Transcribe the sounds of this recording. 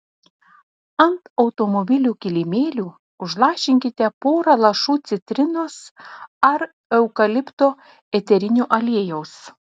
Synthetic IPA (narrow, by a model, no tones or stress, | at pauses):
ɐnt̪ɒʊt̪omɔbʲɪlʲuːkʲɪlʲɪmʲeːlʲuː | ʊʒlˠɑːʃʲɪŋʲkʲɪt̪ʲɛpoːɾɐlˠɐʃuːt̪sʲɪt̪ʲɾʲɪnoːsɐɾ | ɛʊkɐlʲɪpt̪oː | ɛt̪ʲɛɾʲɪnʲuːʔɐlʲiɛjɛʊs